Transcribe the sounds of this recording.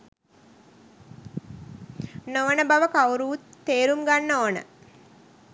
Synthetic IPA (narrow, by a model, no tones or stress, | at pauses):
noʋənəbaʋəkawɾuut̪ːeːɾumɡanːoːnə̰